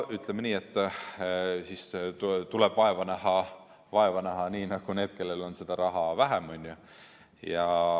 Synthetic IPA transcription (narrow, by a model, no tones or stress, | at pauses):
yt̪ːˑlemeniːe̞t̪ː | siːst̪uleb̥vɑe̞vɑnæhɑ | vɑe̞vɑnæɦɑniːnɑɡ̥une̞ːd̪̥̚ke̞lːe̞lo̞nse̞d̪̥ɑɾɑɦɑvæɦæmonʲju | jɑ